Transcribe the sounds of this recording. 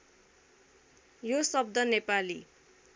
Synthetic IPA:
josʌb̚d̪ʌnepali

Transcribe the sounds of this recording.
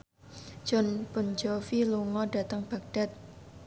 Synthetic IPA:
ʒ̥ɔnpʊnd͡ʒɔfiluŋɔɖa̤t̪əŋb̥a̤k̚d̥at̪̚

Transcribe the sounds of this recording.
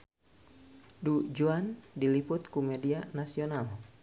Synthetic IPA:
dud͡ʒuandilipʊt̪̚kumɛdianasional

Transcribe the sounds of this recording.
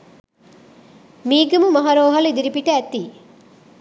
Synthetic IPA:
miːɡɐmumɐɦaɾoːɦɐlid̪iɾipiʈɐːt̪iː

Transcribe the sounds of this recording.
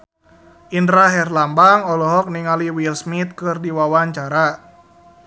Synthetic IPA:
ʔindɾaɦɛrlambaŋɔlɔɦɔk̚niŋaliwilsmit̪̚kɨrdiwawaɲt͡ʃaɾa

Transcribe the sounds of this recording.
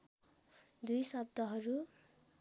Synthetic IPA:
d̪ujsʌbd̪ʌɦʌɾu

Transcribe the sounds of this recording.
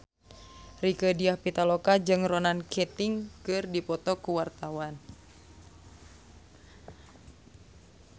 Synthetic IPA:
rikədiahpit̪alokad͡ʒɨŋrɔnankʰɛt̪iŋkɨrdipɔt̪ɔkuwart̪awan

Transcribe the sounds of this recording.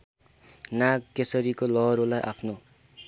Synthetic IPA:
naɡkːesʌɾikolʌɦɾolajʔa̰pʰno

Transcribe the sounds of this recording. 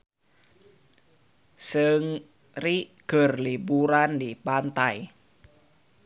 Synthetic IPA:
səŋ | riɡ̥ə̤rlibuɾandipant̪aj

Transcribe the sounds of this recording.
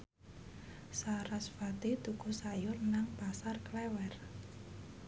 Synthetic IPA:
saɾasfat̪it̪ukusajʊrnaŋpasarklɛwɛr

